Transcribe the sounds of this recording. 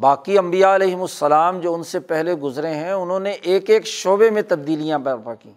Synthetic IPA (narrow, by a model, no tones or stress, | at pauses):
baːkiɐ̃mbijaɐleːɦɪmʊsːɐlaːmd͡ʒoːʊnsepɛɦleɡʊzɾeɦɛ̃ʊnɦõːneʔːkeːkʃoːbemẽt̪ɐb̚d̪iːlijãbpakĩː